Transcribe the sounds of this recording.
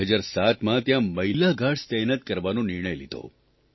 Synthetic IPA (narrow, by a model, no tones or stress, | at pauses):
əd͡ʒaɾsat̪mãt̪jãməɦilaɡʱaʈst̪ɛnət̪̚kəɾʋanõnɪɾɳəjlid̪ʱo̰